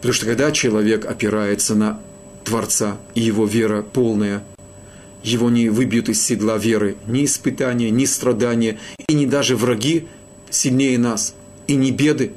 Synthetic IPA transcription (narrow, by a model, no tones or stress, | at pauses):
pə̥t̪ɐmuʂt̪okɐɡd̪at͡ɕɪlˠɐvʲe̞kɐpʲɪɾajɪt̪sənə | t̪vɐrt̪saɪjɪvovʲe̞ɾəpo̞lˠnəjə | jɪvo̞nʲɪvɨbʲjʊt̪ɨsːʲɪd̪lˠavʲe̞ɾɨnʲɪːspɨt̪anʲɪjənʲɪst̪ɾɐd̪anʲɪjəinʲɪd̪aʐɨvrɐɡʲi | sʲɪlʲnʲejənas | inʲɪbʲe̞d̪ɨ